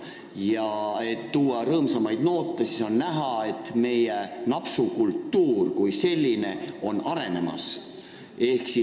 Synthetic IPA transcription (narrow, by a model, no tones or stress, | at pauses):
jɑe̞t̪ːuːɑɾɤːmsɑmɑjd̪̥no̞ːt̪ːˑesiso̞nnæɦɑe̞t̪ːˑme̞jenɑpsukult̪ːuːrkujse̞lʲːine̞o̞nɑɾe̞ne̞mɑ̰s | e̞hksi